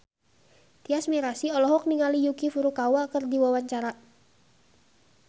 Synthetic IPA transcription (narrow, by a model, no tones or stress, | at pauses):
t̪iasmiɾasiɔlɔɦɔk̚niŋalijukifuɾukawakərd̪iwawaɲt͡ʃaɾa